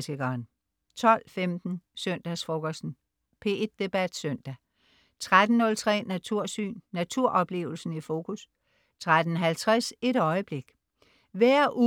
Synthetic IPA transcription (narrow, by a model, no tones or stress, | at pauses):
sʰeɡ̥ɐːn | t͡sʰɒ̽l̰femd̥n̩sœn̰d̥æsfoɡ̥ɒsd̥n̩ | pʰe̝ed̥ːe̝b̥æd̥søn̰d̥æ | t͡sʰʁad̥n̩ːɔ̽lt͡sʰʁɛ̰ːnæt͡sʰuɐ̰sy̰ːnːæt͡sʰuɐ̰ʔɒ̽b̥le̝̰ːʊl̩sn̩ifo̝kʰus | t͡sʰʁad̥n̩ɦælt͡sʰʁase̝ɾɒ̽ɪəb̥le̝ɡ̥ | ʋæɐ̰ʔu